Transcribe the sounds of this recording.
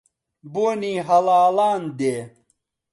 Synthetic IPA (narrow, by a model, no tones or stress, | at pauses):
boniɦɐlaːlaːnd̪e